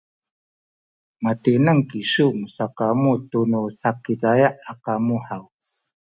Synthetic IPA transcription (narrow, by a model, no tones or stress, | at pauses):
matinəŋkiɕumusakamutunusakitajaʔakamuħaw